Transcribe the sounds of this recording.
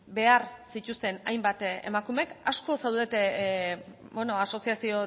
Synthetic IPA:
be̞aɾsit̪ust̪e̞na̰jmbat̪ḛmakume̞kasko̞sawðet̪ | beno̞aso̞siasio̞

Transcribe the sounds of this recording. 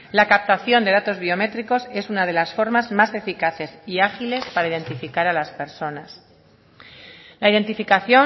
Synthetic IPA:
lakap̚t̪aθjo̞nd̪e̞ðat̪o̞zβio̞me̞t̪ɾiko̞se̞sunað̞e̞lasfo̞ɾmazmase̞fikaθe̞siaxile̞spaɾaiðe̞nt̪ifikaɾalaspe̞ɾso̞nas | laiðe̞nt̪ifikaθjo̞

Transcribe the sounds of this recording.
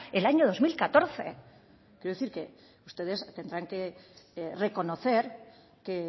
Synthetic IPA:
elaɲoð̞o̞zmilkat̪o̞ɾθḛ | kjeɾoeθiɾke | ust̪e̞ð̞e̞st̪e̞nd̪ɾaŋke̞ | re̞ko̞noθe̞ɾ | ke

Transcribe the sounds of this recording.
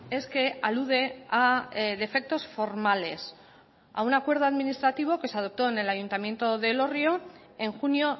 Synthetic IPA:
e̞ske̞aluð̞e̞aðe̞fe̞k̚t̪o̞sfo̞ɾmale̞s | a̰unakwe̞ɾð̞oaðminist̪ɾat̪iβ̞o̞ke̞seað̞o̞p̚t̪oene̞laʝunt̪amje̞nt̪o̞ðe̞lo̞rjo̞ | e̞ŋxunjo̞

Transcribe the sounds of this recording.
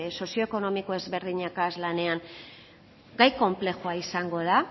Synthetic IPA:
so̞sio̞eko̞no̞miko̞e̞zβe̞ɾðiɲakazlane̞aŋ | ɡajko̞mple̞xuaisaŋɡo̞ð̞a

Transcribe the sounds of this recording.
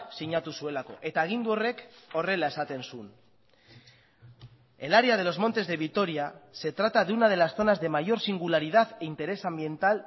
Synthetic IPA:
siɲat̪usue̞lako̞̰ʔe̞t̪aːɣ̞ind̪uo̞re̞ko̞re̞lae̞sat̪e̞nsun | e̞laɾeað̞e̞lo̞zmo̞nt̪e̞zðe̞βikt̪o̞ɾiase̞t̪ɾat̪aðunað̞e̞lasθo̞nazðe̞maʝo̞ɾsiŋɡulaɾið̞aðint̪e̞ɾe̞sambje̞nt̪al

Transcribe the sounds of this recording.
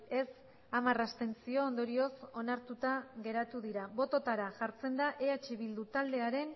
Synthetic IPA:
e̞s | amarast̪e̞nt͡sio̞ːnd̪o̞ɾio̞so̞naɾt̪ut̪aɣe̞ɾat̪uðiɾaβo̞t̪o̞t̪aɾaʝaɾt͡se̞nd̪aʔe̞at͡ʃeβild̪ut̪ald̪e̞aɾe̞n

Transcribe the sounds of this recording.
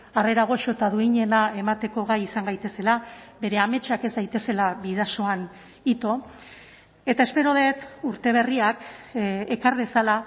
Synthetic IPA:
are̞ɾaɣ̞o̞ʃo̞t̪aðuiɲe̞nae̞mat̪e̞ko̞ɣ̞ajisaŋɡajt̪e̞se̞laβe̞ɾe̞ame̞t͡ʃake̞zd̪ajt̪e̞se̞laβið̞aso̞an | it̪o̞ | e̞t̪aespe̞ɾo̞ð̞e̞t̪uɾt̪e̞β̞e̞riakekaɾβe̞sala

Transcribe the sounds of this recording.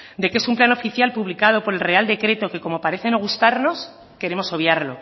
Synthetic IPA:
d̪e̞ke̞sumplano̞fiθjalpuβlikað̞o̞po̞ɾe̞lre̞ald̪e̞kɾe̞t̪o̞ke̞ko̞mo̞paɾe̞θe̞no̞ɣ̞ust̪aɾno̞s | ke̞ɾe̞mo̞so̞βjaɾlo̞̰

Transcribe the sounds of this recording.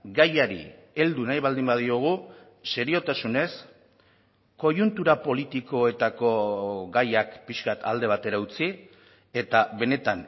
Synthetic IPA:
ɡajaɾḭ | e̞ld̪unajβald̪imbað̞io̞ɣ̞u | se̞ɾio̞t̪asune̞s | ko̞junt̪uɾapo̞lit̪iko̞e̞t̪ako̞ɡajakpiʃkat̪ʰald̪e̞β̞at̪e̞ɾaut͡si | e̞t̪aβe̞ne̞t̪an

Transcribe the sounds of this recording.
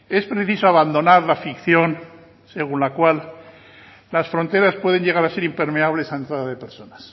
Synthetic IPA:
e̞spɾe̞θisoaβand̪o̞naɾlafikθjo̞n | se̞ɣ̞unlakwalː | asfɾo̞nt̪e̞ɾaspwe̞ð̞e̞ɲɟe̞ɣ̞aɾase̞ɾimpe̞ɾme̞aβle̞saent̪ɾaðaðepeɾso̞nas

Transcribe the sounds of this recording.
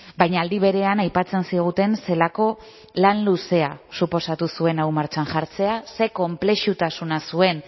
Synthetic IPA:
bajɲaːld̪iβ̞e̞ɾe̞anajpat͡se̞nsiɣ̞ut̪e̞nse̞lako̞ | lanluse̞asupo̞sat̪usue̞nawmaɾt͡ʃanʝaɾt͡se̞ase̞ko̞mple̞ʃut̪asunasue̞n

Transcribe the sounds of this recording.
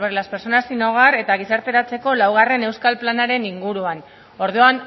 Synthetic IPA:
eɾelaspeɾt͡so̞nasino̞ɣ̞are̞t̪aɣ̞isaɾt̪e̞ɾat͡se̞ko̞lawɣ̞are̞ne̞wskalplanaɾe̞niŋɡuɾuan | o̞ɾðuan

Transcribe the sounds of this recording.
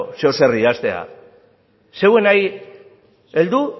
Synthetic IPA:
seose̞riast̪e̞a̰ | se̞we̞naj | e̞ld̪u

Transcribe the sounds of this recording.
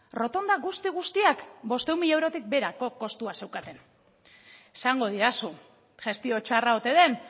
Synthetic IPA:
ro̞t̪o̞nd̪aɣust̪iɣ̞ust̪iakbo̞st̪eumiʎe̞wɾo̞t̪ik̚be̞ɾako̞ko̞st̪uase̞wkat̪e̞n | esaŋɡo̞ðiɾasu | ʝe̞st̪io̞t͡ʃaraot̪e̞ðe̞n

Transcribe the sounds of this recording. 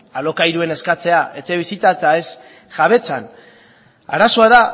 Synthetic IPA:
alo̞kajɾue̞ne̞skat͡se̞aʔe̞t͡se̞βisit̪at͡sae̞s | ʝaβ̞e̞t͡san | a̰ɾaso̞aða

